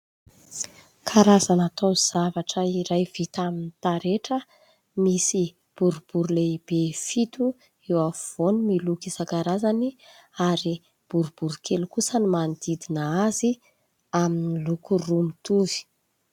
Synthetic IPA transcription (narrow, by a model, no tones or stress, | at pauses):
kʰaɾazanat̪owz̥avaʈ͡ʂəiɾajv̥it̪aminit̪aɾeʈ͡ʂə | misi | b̥uɾub̥uɾuleib̥efit̪u | ewav̥onumilukisakaɾazani | aɾi | b̥uɾub̥uɾkʰelukusənimand̪id̪inaazi | aminilukurumit̪uvi̥